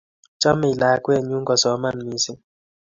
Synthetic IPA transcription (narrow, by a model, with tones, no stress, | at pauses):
t͡ʃa˦mɛ˨i˨la˨˦kwɛ˦˨ɲu˦ŋɡɔ˨sɔ˨˦ma˦˨nmi˦si˦